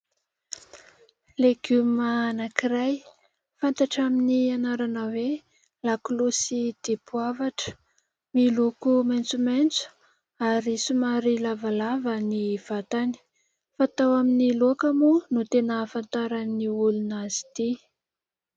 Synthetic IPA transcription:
leɡymanakiɾaj | fant̪aʈ͡ʂaminianaɾanəwe | laklosid̪̥epuavaʈ͡ʂə̥ | milukumajnt͡sumajnt͡su̥ | aɾisumaɾilavalavaniv̥at̪ani̥ | fat̪awaminiloakamunut̪enəfant̪aɾaniulunazi̥t̪i

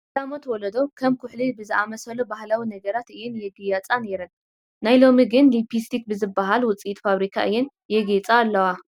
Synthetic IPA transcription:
lamot̪wɔlɐd̪o̞kʰɐmkʰʊħlibɨzɨʔamɐsɐlubahlawinɐɡɐɾat̪ʔɨjunjɛɡɨjat͡sʼaneɾɨn | najlo̞miɡɨnlipʰist̪ʰik̚bɨzɨbːaɦalwʊt͡sʼiit̪faβɾikʰa̰ʔɨjɛn | jɛɡet͡sʼaːlːɐwa

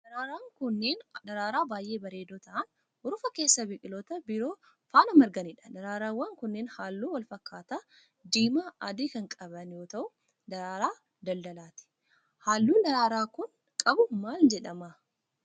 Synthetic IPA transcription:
d̥̪ɐɾaːɾaːŋkʊnːeːnd̪ɐɾaːɾaːbaːjʔe̞ːbɐɾe̞ːd̪oːt̪ɐʔɐn | ʔʊɾʊfɐke̞ːsːɐbɪkʼɪloːt̪ɐbɪɾo̞ː | faːnɐmɐɾɡɐniᶑɐ̥dɐɾaːɾaːwːɐŋkʊnːeːnhaːlːuːwɐlfɐkːaːt̪aː | d̪iːmaːʔɐd̪iːkɐŋkʼɐbɐnjo̞ːt̪ɐʔʊ | d̪ɐɾaːɾaː | d̪ɐld̪ɐlaːt̪ɪ̥ | haːlːuːd̪ɐɾaːɾaːkʊŋ | kʼɐbʊmaːld͡ʒɛᶑɐmɐ

